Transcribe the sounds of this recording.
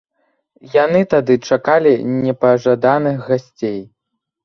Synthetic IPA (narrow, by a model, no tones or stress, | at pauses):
janɨt̪ad̪ɨt͡ʂakalʲinʲɛpɐʐad̪anɨxɣasʲt͡sʲej